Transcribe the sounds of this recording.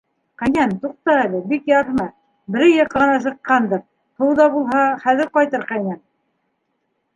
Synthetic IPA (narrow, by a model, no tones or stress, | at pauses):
qæjnænt̪uq̚t̪ɑælɘbikjɑɾɦmɑ | bɘ̆ɾɘjɤqːɤ̆nɑs̬ɤ̆qːɑnd̪ɤɾ | h̪ɤ̆wðɑbulˠɦɑχæðɘ̆ɾqɑjt̪ɤɾqæjnæn